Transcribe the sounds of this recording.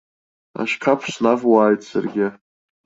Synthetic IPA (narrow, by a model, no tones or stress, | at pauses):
a̰ʃkʰapʰsnavwaːjtʼsa̰rɡʲɪ